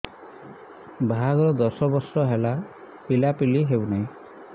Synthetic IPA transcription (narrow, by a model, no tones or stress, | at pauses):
bʱaɡɾɔd̪ɔsɔbɔsɔɦela | pilapiliɦewnaĩ